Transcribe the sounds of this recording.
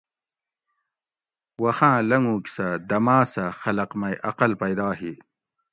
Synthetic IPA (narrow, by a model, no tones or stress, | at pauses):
wɐxãːlɐŋɡũːksɐd̪ɐmaːsɐxɐlɐqmɐjʔɐqɐlpɐjd̪aːɦi